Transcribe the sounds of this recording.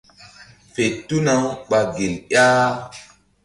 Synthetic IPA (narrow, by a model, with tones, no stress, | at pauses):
fe˨tːu˦na˨˦wɓa˨ɡe˨ljaː˦